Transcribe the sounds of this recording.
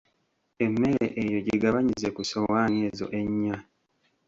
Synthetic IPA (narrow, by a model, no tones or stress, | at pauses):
emːe̞ɾḛʔejo̞ɟeɡaβaɲizekusowaːneːzo̞̰ʔe̞ɲːa